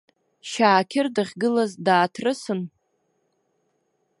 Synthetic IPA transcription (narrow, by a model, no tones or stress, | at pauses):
ʃaːkʲʰɪrdɨʁʲɡɨlazdaːtʰrɨsɨn